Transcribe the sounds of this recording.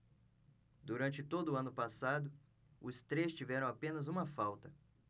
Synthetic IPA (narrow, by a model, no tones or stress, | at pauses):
d̪uɾɐ̃nt͡ʃɪt̪od̪ʊːɐ̃nʊpasad̪ʊ | ʊst̪ɾest͡ʃivɛɾɐ̃w̃apẽnɐzũmɐfawt̪ɐ